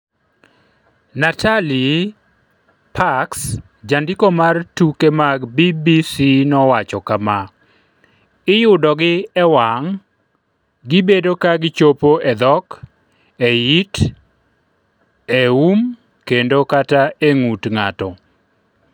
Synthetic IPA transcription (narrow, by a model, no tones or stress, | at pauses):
natʰali | pʰaks | d͡ʒandikomartukemaɡbibisinɔwat͡ʃɔkama | ɪjʊdɔɡɪɛwaŋ | ɡɪbedokaɡɪt͡ʃopoʔɛd̪ɔk | ejit | eum | kendokataeŋutŋatɔ